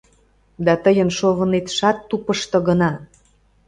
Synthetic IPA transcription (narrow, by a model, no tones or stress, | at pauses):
d̪ɑt̪əjənʃoβə̆net̪ʃɑt̪ːupəʃt̪ɤ̆ɣə̆nɑ